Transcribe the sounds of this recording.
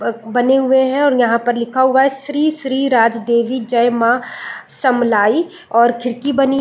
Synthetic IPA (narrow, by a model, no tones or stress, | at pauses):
bɐneɦʊeɦɛ̃ɔːɾjɐɦãpɐɾlɪkʰaɦʊaɦɛʃɾiːʃɾiːɾaːd͡ʒd̪eːʋid͡ʒɐjmãsɐmlaːi | ɔːɾkʰɪɾkibɐni